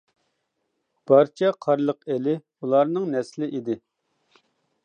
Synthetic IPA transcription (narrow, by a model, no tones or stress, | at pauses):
b̥ɑɾt͡ʃʰɛqʰɑɾlˠəqelɪ | ulˠɑɾnɨŋnɛslɪʔid̪ɪ